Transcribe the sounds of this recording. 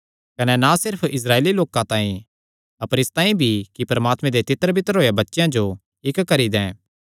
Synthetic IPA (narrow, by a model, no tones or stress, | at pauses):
kɐnɛnasɪɾpʰɪs̬ɾaːeːliloːkãt̪ãːĩ | ɐpəɾɪst̪ãːĩbʱikipɐɾɐmaːt̪mẽd̪et̪ɪt̪ːəɾbʱɪt̪əɾɦoːjabɐtːʃjãd͡ʒo | ɪkkːɐɾid̪ɛ̃ː